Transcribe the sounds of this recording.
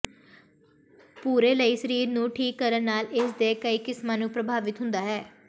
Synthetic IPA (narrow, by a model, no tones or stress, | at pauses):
puːɾeːləiːsəɾiːɾnũːʈʰiːkːəɾənnaːlɪsd̪eːkəiːkɪsmãːnũːpɾəbʱaːʋɪt̪ɦʊ̃nd̪aːɦɛː